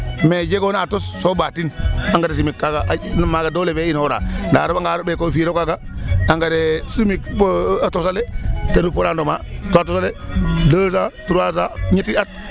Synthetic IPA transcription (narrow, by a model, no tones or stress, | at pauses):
med͡ʒeɡonatosːobatinaŋɡades̬imikːaɡaʔnomaːɡadoːleveinhoɾa̰ːnda̰ːɾobaŋɡaːɾobekofiːɾokaɡaaŋɡadesimikpatosaletanupoɾaːndoma̰ːtoatosaledəːzatuɾazaɲitiat̚